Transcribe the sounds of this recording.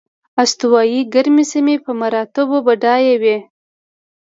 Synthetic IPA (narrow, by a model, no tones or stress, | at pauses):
ast̪uwɑjiɡaɾmisamepəmaɾɑt̪ɪbobaɖɑjewe